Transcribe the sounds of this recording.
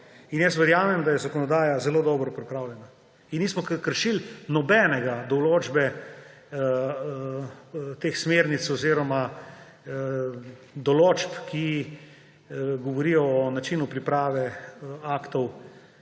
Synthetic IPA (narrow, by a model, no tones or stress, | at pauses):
injɛsʋɛɾjaːmɛmd̪ajɛzakɔnɔd̪aːjazɛloːd̪ɔːbɾɔpɾipɾaːwlʲjɛna | innismɔkəɾʃilnɔbɛnɛɡad̪ɔloːd͡ʒbɛ | t̪exsmeːɾnit̪sɔziɾɔma | d̪ɔloːd͡ʒpki | ɡɔʋɔɾiːjɔːnat͡ʃiːnupɾipɾaːʋɛaːkt̪ɔw